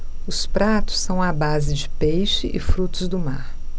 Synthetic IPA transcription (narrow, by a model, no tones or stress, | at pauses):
ʊspɾat̪ʊ̥sːɐ̃w̃ɐbazɪd͡ʒɪpejʃɪʔɪfɾut̪ʊzd̪ʊmaɾ